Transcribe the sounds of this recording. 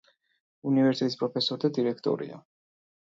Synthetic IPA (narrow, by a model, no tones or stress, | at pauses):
univɛɾst̪ʰɛt̪ʼispʼɾɔpʰɛsɔɾd̪ad̪iɾɛkʰt̪ʼɔ̰ɾḭa̰